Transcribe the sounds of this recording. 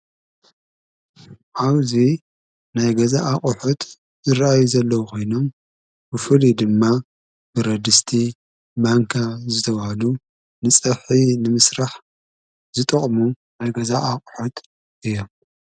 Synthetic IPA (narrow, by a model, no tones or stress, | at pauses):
ʔaβzi | najɡɐzaʔaχʼʊħut̪ | zɨɾaʔajuzɐlːɐwukʰo̞jno̞m | bɨfɨlid̪ɨmːa | b̥ɨɾɐd̪ɨst̪ʰi | maŋkʰazɨt̪ʰɐβahalu | nɨt͡sʼɐβħinɨmɨsɾaħ | zɨt̪ʼɨχʼmu | najɡɐzaʔaχʼħut̪ʰ | ʔɨjːo̞m